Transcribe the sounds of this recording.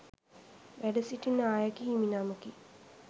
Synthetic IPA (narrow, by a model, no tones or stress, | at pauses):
ʋæɖəsiʈinːəaːjakiːminaːməki